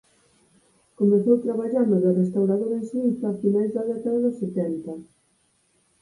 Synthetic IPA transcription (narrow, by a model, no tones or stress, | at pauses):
komẽθowt̪ɾaβaʎaɾnaðarest̪awɾaðoɾẽnsit̪afinajzðaðɛk̪aðeðʊset̪ɛnt̪a